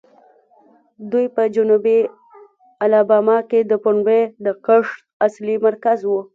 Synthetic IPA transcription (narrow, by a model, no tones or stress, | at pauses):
d̪ujpəd͡ʒʊnubi | alɑbɑmɑked̪əpʊɳbed̪əqəʂʈ | aslimaɾkazwu